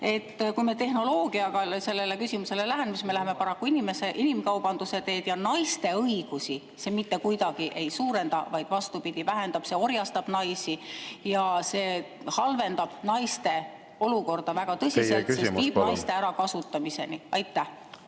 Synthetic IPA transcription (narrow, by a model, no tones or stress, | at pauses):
e̞t̪ːkujme̞t̪e̞hno̞lo̞ːɡ̥iɑɡ̥ɑse̞lːe̞le̞kysimuse̞le̞læɦenmisme̞læɦeme̞pɑɾɑkːuinime̞se̞ʔinimkɑwb̥ɑnd̪̥use̞t̪e̞ːd̪̥jɑnɑjst̪e̞ɤjɡ̥usi | se̞mit̪ːe̞kujd̪̥ɑɡ̥iʔe̞jsuːɾe̞nd̪̥ɑ̰vɑjd̪̥vɑst̪upid̪̥ivæɦe̞nd̪̥ɑb̥se̞o̞rjɑst̪ɑb̥nɑjsijɑse̞ː | hɑlve̞nd̪̥ɑb̥nɑjst̪e̞ | o̞luko̞rd̪̥ɑvæɡ̥ɑt̪ɤsiselt̪ːseiːbnɑjst̪e̞æɾɑkɑsut̪ːˑɑmise̞̰niɑjt̪ːˑæh